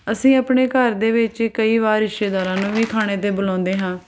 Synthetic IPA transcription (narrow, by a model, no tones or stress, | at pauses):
əsĩːəːpɳeːkəɾd̪eːʋɪt͡ʃkəiːʋaːɾɾɪʃeːd̪aːɾãːnũːʋiːkʰaːɽ̃eːt̪eːbʊlãːnd̪eːɦãː